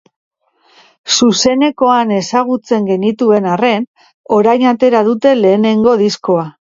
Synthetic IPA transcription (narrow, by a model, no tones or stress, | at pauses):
suse̞ne̞ko̞ane̞saɣ̞ut͡se̞ŋɡe̞nit̪ue̞nare̞n | o̞ɾajnat̪e̞ɾað̞ut̪e̞le̞ːne̞ŋɡo̞ðisko̞a